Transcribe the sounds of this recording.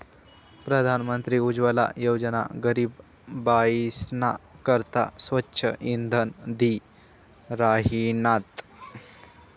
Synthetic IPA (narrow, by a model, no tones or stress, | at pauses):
pɾəd̪ʱanmənt̪ɾiːud͡ʑʋəla̰jowd͡ʑəna̰ɡəɾiːb | baisnakəɾt̪a̰sʋətːɕʰə̰ʔind̪ʱənd̪i | ɾaɦinat̪